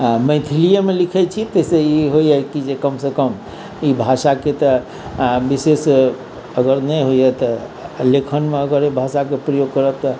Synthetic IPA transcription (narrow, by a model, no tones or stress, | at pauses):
mə̃ɪt̪ʰilijemelikʰɛt͡ʃʰit̪əseiɦojakid͡ʒekəmsekəm | ibʱasaket̪ə | bises | əɡəɾnəjɦod͡ʒat̪ɔ | lekʰənmeəɡəɾibʱasakepɾəjoɡ̚kəɾəb̚t̪ɔ